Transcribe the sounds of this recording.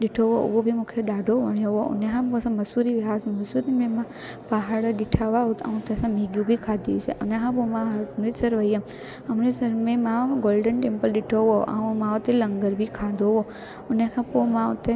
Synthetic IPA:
ɗiʈʰoʋoo̰ʋobʱimukʰeɗaːɖʱoʋəɳjoʋoṵnekʰãsamɐsuɾiʋaːsməsuɾimẽmã | paɦaɽaɗiʈʰaʋaɦut̪a̰ũt̪esãmeɡjũbʱikʰad̪iut͡ʃʰḛʔṵnekʰãpomãmɾisəɾʋəjəm | əmɾesəɾmẽmãʋaɡoːlɖənʈempəlɗiʈʰoʋoʔa̰ũmãʋot̪eləŋɡəɾbʱikʰad̪ʱoʋo | unekʰãpomãũt̪e

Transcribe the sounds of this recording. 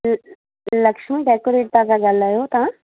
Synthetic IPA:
ləkʃmiɖɛːkoɾeːʈ̚t̪ãkaɡɐlajoːt̪ãː

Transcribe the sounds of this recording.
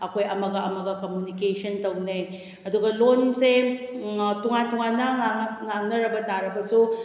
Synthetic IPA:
ɐkʰojɐmɐɡɐɐmɐɡɐkomjunikesɐntɐwnɐj | ɐduɡɐlonse | tuŋantuŋanːɐaŋaŋnɐɾɐbɐtaɾɐbɐsu

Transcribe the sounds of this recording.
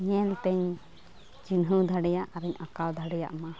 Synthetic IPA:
ɲɛlt̪ɛɲ | d͡ʒinɦud̪ʱaɽɛjaʔaɾɛɲakawd̪ʱaɽɛja̰ʔma

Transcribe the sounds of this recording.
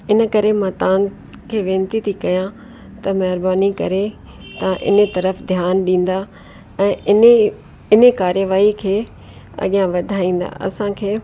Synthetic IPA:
ɪnə̆kɐɾemãt̪ã | kʰeːʋẽːnt̪it̪ʰikɐjã | t̪ɐmɐɦɾbaːnikɐ̰ɾe | t̪ɐãʔɪ̰nət̪ɐɾəfd̪ʱjaːnɗĩːn̆d̪a | ɛ̃ː | ɪnekaːɾjəʋaːikʰeː | ɐ̰ɠijãʋɐd̪ʱaːĩːn̆d̪a̰ʔɐ̰sãkʰeː

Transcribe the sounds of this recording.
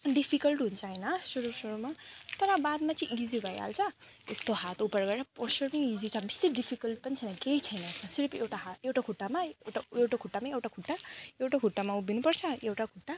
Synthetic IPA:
ɖipʰikʌlʈɦunt͡sʰʌɦʌjnʌsuɾusuɾumat̪ʌɾʌbad̪mat͡siʔizibʱʌja̰lt͡sʰʌ | est̪oɦat̪upʌɾɡʌɾɾʌposʌrmʌizit͡sʰabisːeɾiɖipʰikʌlʈ̚pʌnit͡sʰʌjnʌkeit͡sʰʌjnʌesmasiɾpʰewʈaɦaewʈakʰuʈːamaewʈaewʈakʰuʈːamaewʈakʰuʈːaewʈakʰuʈːamaubinupʌɾt͡sʰʌewʈakʰuʈːa

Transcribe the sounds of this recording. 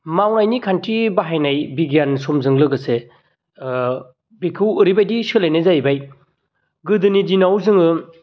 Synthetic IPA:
mawnajnikʰantɾibaɦajnajbiɡjansomzɯŋlɯɡɯse | bikʰɯwɯɾibajdisɯlajnɯzajbaj | ɡɯdɯnidinawzɯŋɯ

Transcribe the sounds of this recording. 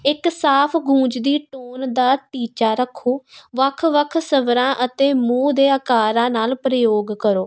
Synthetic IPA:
ɪksaːpʰɡʱũːd͡ʒd̪iːʈoːnd̪aːʈiːt͡ʃaːɾəkʰːoːʋəkʰʋəkʰsəʋɾãːʔət̪eːmũːd̪eːəkaːɾãːnaːlpɾəjoːɡkəɾoː

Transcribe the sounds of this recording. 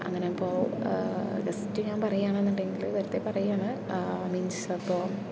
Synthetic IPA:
ɐ̰ŋːɐnepːoː | ɡɐsit͡ɕːuɲaːmpɐrɐjaːɳenːuɳɖeŋɡilt̪ɐɾɐt̪ːepɐrɐjuaːɳɨ | miɲd͡ʑsɐpːoː

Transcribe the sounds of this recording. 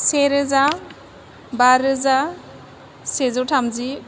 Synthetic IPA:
seɾɯza | baɾɯza | sezɔwtʰamzi

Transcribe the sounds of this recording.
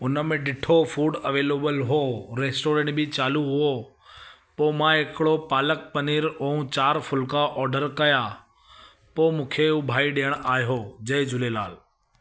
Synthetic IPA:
ʊnəmẽɗɪʈʰofuːɖɐʋeːleːbəlɦoɾeːsʈoːɾẽːɳʈbʱɪt͡ɕaːluɦʊo | poːmãɦɪkɪɽopaːlək̚pɐniːɾoũt͡ɕaːɾfʊlkaʔɔːɾɖəɾkɐja | poːmũːkʰeubʱaːiɗijəɽ̃aːɦjod͡ʑɐd͡ʑʱʊlela̰ːl

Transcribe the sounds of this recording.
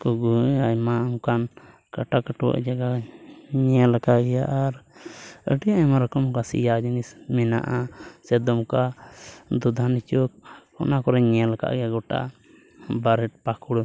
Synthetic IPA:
kɔɡuajmaaŋkan | kaʈakəʈuwa̰ʔd͡ʒaɡa | ɲɛlɛkaʔɡɛjaʔaɾ | ə̰ɖijaʔɛmaɾɔkɔmkasḭjad͡ʒinismɛna̰ʔasɛd̪ɔmka | d̪ɔd̪ʱanit͡ʃɔk̚ɔ̰nakɔɾɛɲɛlaka̰ʔɡɛjaɡɔʈa̰ʔ | baɾɛʈ̚pakuɽ

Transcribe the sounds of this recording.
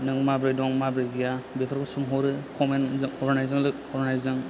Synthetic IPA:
nɯŋmabɾɯjdɔŋmabɾɯɡijabepʰaɾkʰɔsɯmɦɔɾɯkʰɔmenzɯŋɔɾnajzɯŋlɯk̚ɔɾnajzɯŋ

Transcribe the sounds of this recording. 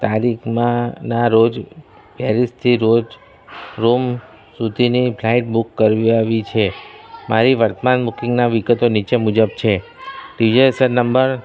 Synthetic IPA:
t̪aɾikʰmãnaɾod͡ʒ | bjaɾist̪ʰiɾod͡ʒ | ɾom | sud̪ʱinipʰlaiʈ̚bukːəɾʋiaʋit͡ʃʰemʔaɾiʋəɾt̪əmanbukĩŋɡnaʋiɡət̪onit͡ʃemʊd͡ʒəb̚t͡ʃʰe | ɖid͡ʒesəɾnəmbəɾ

